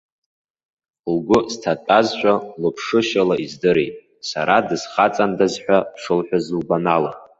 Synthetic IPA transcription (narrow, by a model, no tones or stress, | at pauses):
lɡʷʊztʰatʼazʃᶣʷʼalɨpʰʂɨʃalaizdɨɾejtʼ | sa̰ɾadɨz̥χat͡sʼandazħᶣʷapʰʂɨlħʷᶣazlbanala̰